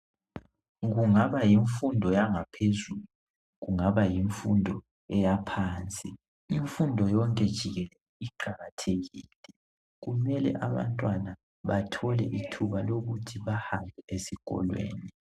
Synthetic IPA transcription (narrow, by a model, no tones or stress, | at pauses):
ɣuŋaβajiɱfundʱɔjaŋapʰezulu | ɣuŋaβajiɱfundʱɔ | ɛjapʰaːnt͡sʼi | iɱfundʱɔjɔŋkʼɛd̥ʒ̥ʱiɣɛlɛ | iǃaɣatʰeɣiːlɛ | ɣumɛlɛ̰ʔaβa̰ntʼwana | βatʰɔlɛʔitʰuβaloɣutʰiβahambʱɛesiɣɔ̰lwḛːni